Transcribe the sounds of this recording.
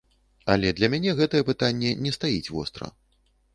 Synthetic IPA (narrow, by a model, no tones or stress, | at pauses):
ɐlʲɛd̪lʲɐmʲanʲɛɣɛt̪ɐjɛpɨt̪anʲːɛnʲɛst̪ajit͡sʲvɔ̰st̪ɾɐ̰